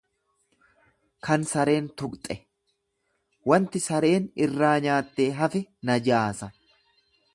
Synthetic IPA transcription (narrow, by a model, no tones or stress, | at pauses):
kɐnsɐɾe̞ːnt̪ʊkʼt̪ʼɛ | wɐnt̪ɪsɐɾe̞ːnɪrːaːɲaːt̪ːe̞ːɦɐfɛnɐd͡ʒaːsɐ